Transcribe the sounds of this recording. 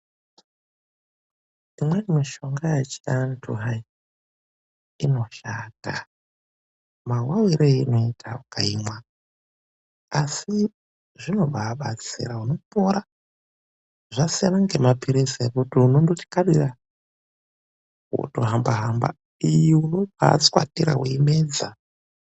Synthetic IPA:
imwenimiʃo̞ŋɡajet͡ʃiantʰuɦai | ino̞ʃaːta | mawawiɾeino̞itʰaukaimwa | asi | ʐino̞ɓʱaːɓat͡sḭɾauno̞poɾa | ʐasianaŋɡe̞mapiɾisekutiunondoti̥kaɗira | ṵtoɦambaɦamba̰ | ijiuno̞bʱa̰ːt͡skwa̰tiɾa̰ɦuimeːd͡za̰

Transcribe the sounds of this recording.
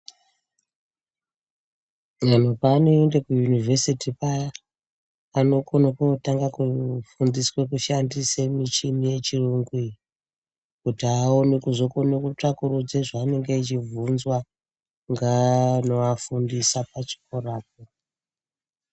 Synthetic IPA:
man̤upaːno̞endekujunivʱesitipa | no̞konekotaŋɡakufundiswekuʃandisemit͡ʃimije̞t͡ʃiruːŋɡwi | kutiaonekuzo̞ko̞nekut͡ʂakuɾud͡zeʐaːne̞ŋɡeit͡ʃivunzwa | ŋɡano̞afundisapat͡ʃi̥koraːp̚o

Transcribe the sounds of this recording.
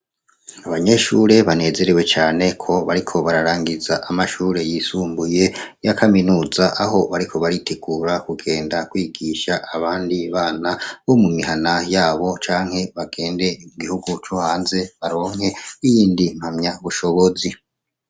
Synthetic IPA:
aβaɲe̞ʃuːɾe̞βane̞ːze̞ɾewe̞t͡ʃaːne̞kʰo̞βaɾikʰo̞βaɾaɾaːŋɡizaʔamaʃuːɾejiːsuːmbuje̞jakʰaminuːzaʔaɦo̞βaɾikʰo̞βaɾitʰeɡuːɾakuɡe̞ːndakwiːɡiʃaʔaβaːndiβaːnaβo̞mumihanajaːβo̞t͡ʃaːŋhe̞βaɡe̞ːnde̞imuɡihuɡut͡ʃohaːnze̞βaɾo̞ːŋhe̞ijiːndim̥hamɲaβuʃo̞βo̞zi

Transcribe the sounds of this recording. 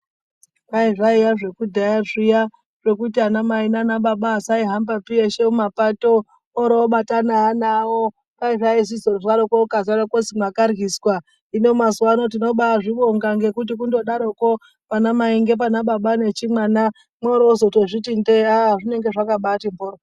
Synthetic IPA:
kaiʐaiʋaʐe̞kudʱajaʐija | ʐ̥e̞kutianamainanaɓaɓaːsaiɦambapieʃeumapatoː | ɾooɓatanaːnawo | kaiʐaisizoɾʐaɾokokazaɾokosimwakarɣiswa | inomazwano̞t̬ino̞ɓaʐiɓoŋɡaŋɡe̞kut̬ikundo̞ɗaɾoko̞ | panamaiŋɡe̞p̬anaɓaɓane̞t͡ʃimwana | mwaɾoozotoʐitindeaaʐine̞ŋɡe̞ʐakaɓatimboːɾo

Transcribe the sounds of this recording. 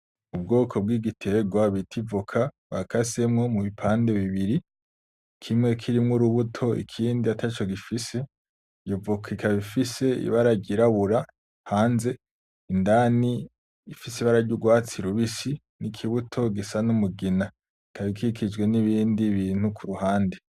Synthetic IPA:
ubɡo̞ːkʰo̞b̚ɡiːɡitʰe̞ɡwaβitʰivukʰa | βakase̞mŋo̞muβipʰaːnde̞βiβiɾi | kʰimŋe̞kʰiɾimŋuɾuβutʰo̞ḭkʰiːndiatʰat͡ʃo̞ɡifise̞ | ɟovukikʰaβifise̞ḭβaɾaɟiɾaβuɾa | haːnze̞ | indani | ifisiβaɾaɾɟuɡwaːt͡siɾuβisi | nikʰiβutʰo̞ɡisanumuɡina | ikaβikʰikʰid͡ʒɡwe̞niβiːndiβiːn̥hukʰuɾuhaːnde

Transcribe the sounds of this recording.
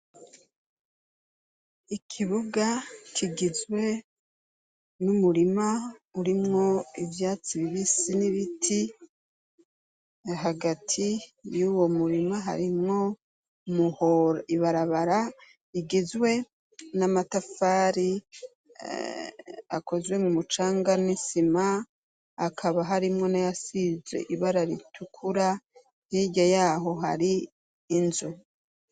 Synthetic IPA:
ikʰiβuɡakʰiɡizwe̞ | numuɾimauɾimŋo̞ivjaːt͡siβiβisiniβitʰi | ɦaɡatʰijuwo̞muɾimaɦa̰ɾimŋo̞ | muhoɾiβaɾaβaɾa | iɡizwe̞ | namatafaːɾi | a̰kʰo̞zwe̞mŋumut͡ʃaːŋɡanisimaː | kʰaβaɦaɾimŋo̞najasizḛʔiβaɾaɾitʰukʰuɾa | hiɟajaːɦo̞ɦa̰ɾiː | nzu

